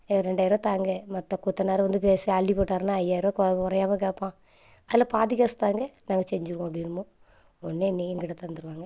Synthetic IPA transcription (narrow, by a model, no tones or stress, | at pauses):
ɾɛɳɖaːjɪɾoːt̪aːŋɡɐmɐt̪ːɐkut̪ːɐnaːɾɐʋɐnd̪ɯpeːseɐɭːipoːʈːaːɾɯnaːɐjaːɪɾoːkɔkɔɾɐjaːmɐk̬eːpːãː | ɐðɪlɐpaːðɪɣɐːst̪aːŋɡɐnaːŋɡɐsɛɲd͡ʒɯɾɯkõɐbɽinɯmõ | ɔnːenːiɛŋɡɪɽɐt̪ɐnd̪ɯɾɯʋaːŋɡɐ